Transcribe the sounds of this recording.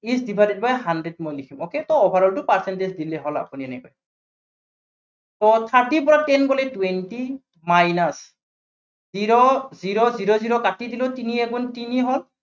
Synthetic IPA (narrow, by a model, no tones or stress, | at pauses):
isdibʱadit̚bajɦandɹedmɔjlikʰimoketɔɔbʱaɹɔltʊpaɹsɛntesdilɛɦɔla̰puniɛnɛkɔ̰j | tɔt̪ʰaɹtipɔɹatɛnkɔlɛtuwenti | majnas | ziɹɔziɹɔziɹɔziɹɔkatidilotiniɛɡuntiniɦɔl